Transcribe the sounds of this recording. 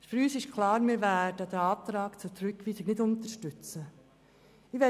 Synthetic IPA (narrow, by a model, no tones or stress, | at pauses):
fyɾyːsɪʃkʰlɑːɾmɪɾvæːdəd̥̪əɑːtɾɑːkt͡sʊtɾʏkʰʋiːsɪnɪdʊntəɾʃtʏt͡sə | ɪʋɛ